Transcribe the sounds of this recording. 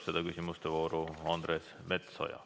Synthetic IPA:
se̞d̪̥ɑkysʲimust̪evo̞ːɾuɑnd̪̥ɾes | me̞t̪so̞̰jɑ̰

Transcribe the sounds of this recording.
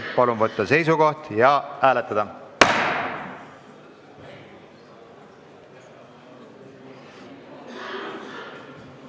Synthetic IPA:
pɑlunvɤt̪ːɑse̞js̬uko̞ht̪jɑʔæːlet̪ːˑɑd̪̥ɑ

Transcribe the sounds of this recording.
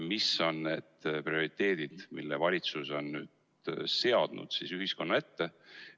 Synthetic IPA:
miso̞nne̞d̪̥prio̞ɾit̪ːe̞ːd̪̥id̪̥milːevɑlʲit̪suso̞nːyːd̪̥ | se̞ɑd̪̥nṵd̪̥sisyɦisko̞nːɑe̞t̪ːe̞

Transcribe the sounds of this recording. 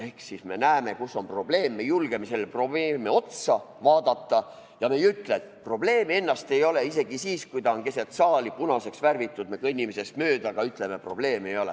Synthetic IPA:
ehksisme̞næːme̞kusːo̞mpro̞ble̞ːmːe̞julɡ̥emeselːpro̞beːmeo̞t̪sɑvɑːd̪ɑt̪ːɑ | jɑmejyt̪let̪pro̞ble̞ːmee̞nːɑst̪e̞jo̞le̞is̬e̞ɡ̥isiːskujt̪ɑonke̞set̪sɑːlipunɑse̞ksværvit̪ːˑud̪mekinʲimese̞smøːd̪̥ɑɡ̥ɑyt̪ˑle̞mepro̞̰b̥le̞ːme̞jo̞lḛ

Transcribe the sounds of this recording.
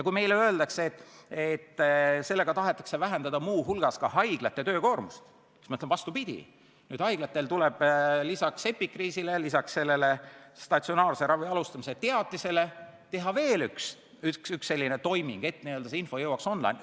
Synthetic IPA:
jɑkujme̞jleøeld̪ɑkseet̪ːˑet̪ːse̞lːe̞ɡ̥ɑt̪ɑɦe̞t̪ːˑɑ̥kse̞væɦend̪ɑd̪̥ɑmuːɦulɡ̥ɑskɑhɑjɡ̥lɑt̪ːˑe̞t̪ø̞ːko̞ːrmust̪ | i̥ksmɑɤt̪levɑst̪upid̪̥ʲḭ | nyːd̪̥hɑjɡ̥lɑt̪ːˑe̞lt̪uleb̥lisɑkse̞pːikːriːsilelisɑksse̞lːe̞le̞st̪ɑtsio̞nɑːɾse̞ɾɑviɑlust̪ɑmiset̪e̞ɑt̪ːise̞le̞t̪e̞ɦɑve̞ːlyks | yksyksːe̞lːinet̪o̞jmḭŋɡ̥e̞t̪ːniøld̪̥ɑseinfo̞jɤwːɑkso̞nlɑ̰jn

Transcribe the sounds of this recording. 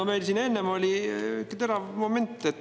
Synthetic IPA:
ɑmæjlsinenːemolʲiykːt̪eɾɑvmoment̪ːˑet̪ː

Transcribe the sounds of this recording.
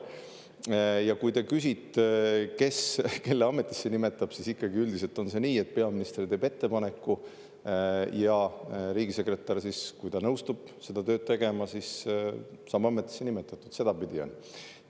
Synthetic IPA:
jɑkujt̪e̞kysit̪ːˑeke̞ske̞lːeɑme̞t̪ˑːi̥sːenime̞t̪ːˑɑb̥sisikːɑɡiyld̪iselt̪ˑo̞nse̞niːe̞t̪̚pe̞ɑminist̪rit̪eːbe̞t̪ːe̞pɑne̞kːu | jɑɾiːɡ̥ise̞kre̞t̪ːˑɑrsiskujt̪ɑnɤwst̪ub̥se̞d̪̥ɑt̪øːd̪̚t̪e̞ɡ̥e̞mɑsis | sɑmɑme̞t̪ːˑi̥sːenimet̪ːˑɑt̪ːˑut̪se̞d̪̥ɑpid̪̥io̰n

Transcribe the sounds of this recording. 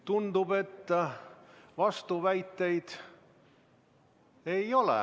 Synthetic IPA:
t̪und̪ube̞t̪ː | vɑst̪uvæjt̪ːe̞jd̪̥ | ejo̞lɛ̰

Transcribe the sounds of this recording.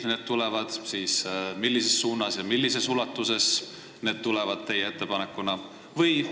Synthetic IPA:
ne̞ːd̪̚t̪ulɛvɑd̪̥siːsmilːise̞sːuːnːɑsjɑmilːise̞sulɑt̪ːˑuse̞s | ne̞ːd̪̥̚t̪ːulɛvɑd̪̥̚t̪e̞jee̞t̪ːe̞pɑnekːˑunɑ | vɤj

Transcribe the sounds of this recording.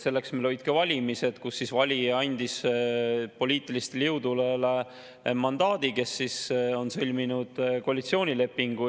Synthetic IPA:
se̞lːe̞ksmelojt̪̚kevɑlʲimise̞d̪̥kusːisvɑlʲiɑnʲd̪is | po̞lʲiːt̪ˑilist̪eljewd̪ulele | mɑnd̪ɑːd̪̥ike̞sːiso̞nselʲminud̪̥koɑlʲit̪sio̞ːnʲile̞pːiŋɡ̥u

